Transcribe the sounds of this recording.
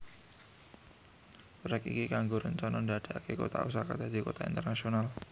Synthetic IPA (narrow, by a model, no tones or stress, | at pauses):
ɾɛkḭkikaŋɡoɾənt͡ʃɔnɔndiaad̥aakeko̰t̪a̰ʔusakad̪̥ad̪̥i̤kot̪aḭnt̪ərnasional